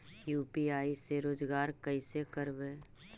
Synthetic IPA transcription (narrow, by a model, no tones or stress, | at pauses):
juːpiaːiseɾoːd͡ʒɡaːɾkəɪsekəɾbeː